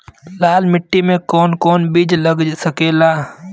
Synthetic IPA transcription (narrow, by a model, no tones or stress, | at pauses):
laːlmɪʈːimẽkɔːnkɔːnbiːd͡ʒləɡsəkeːlaː